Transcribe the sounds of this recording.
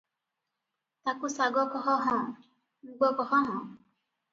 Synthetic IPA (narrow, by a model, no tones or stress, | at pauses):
t̪akusaɡɔkɔɦɔɦɔ̃ | uɡɔkɔɦɔɦɔ̃